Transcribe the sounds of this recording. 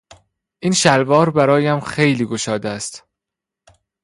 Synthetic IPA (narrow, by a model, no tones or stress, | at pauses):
ʔiːnʃælvɒːɾbæɾɒːjæmxe̞jliːɡoʃɒːd̪eæst̪